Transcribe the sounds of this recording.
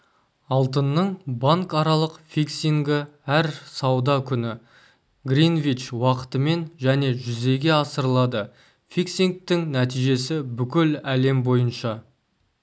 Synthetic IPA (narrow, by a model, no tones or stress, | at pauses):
ɑlˠt̪ənːəɴbaŋkɑɾɑlˠəqfiksiŋɡʲɪæɾsɑwd̪ɑkʲʰʏnɪ | ɡrinvit͡ʃwɑqə̥t̪əme̞nʒæne̞ʒʏze̞ɡʲe̞ɑsəɾəlˠɑd̪ə | fiksiŋk̚t̪ɪŋnæt̪ijʒe̞sɪbʏkʲɪlæle̞mbo̞jənʃɑ